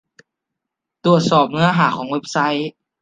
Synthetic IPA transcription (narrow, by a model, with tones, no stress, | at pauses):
t̪ɾu˨˩ət̪̚sɔː˨˩p̚nɯ˧˥ɐ˧ɦaː˨˦xʰɔː˨˩˦ŋwe˧˥˩p̚sa˦˥j